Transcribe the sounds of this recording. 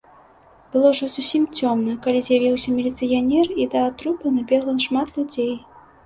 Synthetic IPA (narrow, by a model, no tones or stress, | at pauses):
b̥ɨlˠɔʐɔzusʲimt͡sʲɔmnɐkalʲizʲjavʲiwsʲɐmʲilʲit̪sɨjanʲɛrid̪ɐːt̪ɾupɨnɐbʲɛɣlˠɐnʂmat̪lʲud͡zʲej